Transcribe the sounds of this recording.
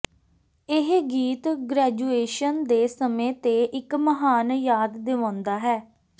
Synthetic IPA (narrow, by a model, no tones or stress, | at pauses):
ɪɦɡiːt̪ɡɾɛːd͡ʒuːeːʃənd̪eːsəmẽːt̪eːʔɪkməɦaːnjaːd̪ːeːʋãːnd̪aːɦɛː